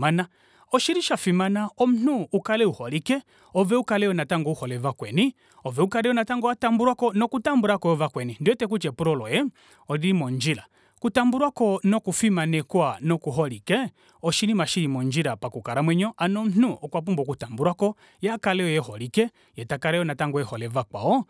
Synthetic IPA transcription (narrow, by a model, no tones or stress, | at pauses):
ana | ɔʃiɾiʃafimanaɔm̩n̥uːkalɛuhɔlikɛ | ɔvɛukalɛɔnataŋɡɔuhɔlɛvakwɛni | ɔvɛukalɛɔnataŋɡɔatambuɾwakɔnɔkutambuɾakɔjɔvakwɛnindwɛtɛk̬ut͡ʃɛpuɾɔlɔjɛ | ɔɾiɾimɔnd͡ʒiɾa | kutambuɾwakɔnɔkufimanɛkwanɔkuɦɔɾikɛ | ɔʃinimaʃinimɔnd͡ʒiɾapakukaɾamwɛɲɔʔanɔm̩n̥uʔɔkwap̬umbɔkutambuɾwakɔ | jakalɛɔjɛhɔɾikɛ | jɛtakalɛjɔnataŋɡɔjɛhɔlɛvakwa̰ɔ